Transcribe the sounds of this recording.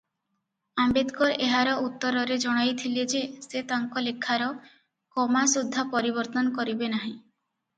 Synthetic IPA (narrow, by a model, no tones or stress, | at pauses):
ambed̪kɔɾeɦaɾɔut̪ːɔɾɔɾed͡ʒɔɽ̃ajt̪ʰiled͡ʒeset̪aŋkɔlekʰːaɾɔ | kɔmasud̪ʱːapɔɾibɔɾt̪ɔnɔkɔɾibenaɦĩ